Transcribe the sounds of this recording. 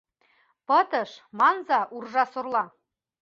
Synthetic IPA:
pɤ̆t̪ɤ̆ʃmɑnzɑʔurʒɑsŏrlˠɑ

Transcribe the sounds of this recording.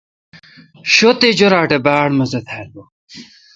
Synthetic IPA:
ɕot̪ed͡ʑoɾaːʈebaːɽmɐzɐt̪ʰaːlo

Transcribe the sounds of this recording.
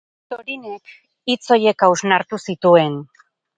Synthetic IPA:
t̪oɾinek | it͡so̞je̞kawznaɾt̪usit̪ue̞n

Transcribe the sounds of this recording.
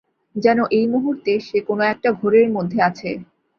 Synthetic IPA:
d͡ʑɛnoʔejmuɦuɾt̪eʃekonoɛk̚ʈaɡʱoɾeɾmod̪ʱːeat͡ɕʰe

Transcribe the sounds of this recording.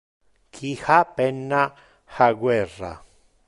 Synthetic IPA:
kʰihapenã | haɡwera̰

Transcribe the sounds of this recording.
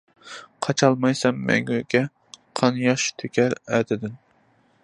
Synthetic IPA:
qʰɑt͡ʃʰɑlˠmɑjsɛmːɛ̰ŋɡykʲɛ | qʰɑnjɑʃt̪ʰøkʲʰæɾæːt̪ʰɪd̪ɪn

